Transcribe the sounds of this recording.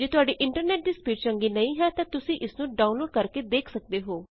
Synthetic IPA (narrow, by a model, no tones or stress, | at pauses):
d͡ʒeːt̪ʊaːɖiːʔɪɳʈəɾnɛːʈ̚ɖɪspjiːʈ̚t͡ʃəŋɡiːnəĩːɦɛːt̪ãːt̪ʊsĩːʔɪsnũːɖaːunloːɖkəɾkeːd̪eːkʰsək̚d̪eːɦoː